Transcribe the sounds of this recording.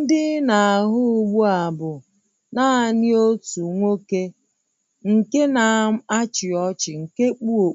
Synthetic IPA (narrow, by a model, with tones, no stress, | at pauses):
n̩˦dɪ˦na˨ɦʊ˦ɡ͡bu˦a˨bʊ˨ | na˦a˨nɪ˦o˦tu˨ŋʷo˦ke˦ | ŋ̩˨ke˦na˨˦a˦t͡ʃɪ˨ɔ˦t͡ʃɪ˨ŋ̩˨ke˦k͡pu˦o˨˦